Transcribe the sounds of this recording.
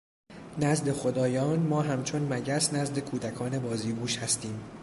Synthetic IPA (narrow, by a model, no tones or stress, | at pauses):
næzd̪e̞xo̞d̪ɒːjɒːnmɒːɦæmt͡ʃʰo̞nmæɟæsnæzd̪e̞kʰuːd̪ækʰɒːne̞bɒːziːbuːʃhæst̪iːm